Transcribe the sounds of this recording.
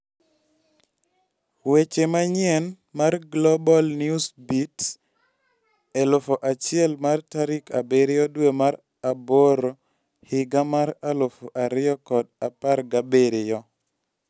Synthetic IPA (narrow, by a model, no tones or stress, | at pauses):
wet͡ʃemaɲjɛn | marɡlɔbɔlnjusbit | ɛlʊfoʔat͡ʃɪɛlmartaɾikʰabeɾɪjɔdwemaɾ | aboɾo | hɪɡamaɾalʊfoʔaɾɪjɔkɔdapaɾɡabeɾɪjɔ